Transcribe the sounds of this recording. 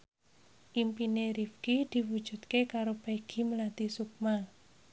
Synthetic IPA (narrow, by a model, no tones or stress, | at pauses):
ʔimpineɾifkid̪̥i̤wud̥ʒ̥ṳt̪kekaɾob̥aiɡ̥i̤məlat̪isuk̚ma